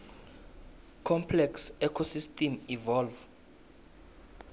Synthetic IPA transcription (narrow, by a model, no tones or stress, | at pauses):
kʰɔmpʰlɛksɛkʰɔsistʰʼɛmivɔlv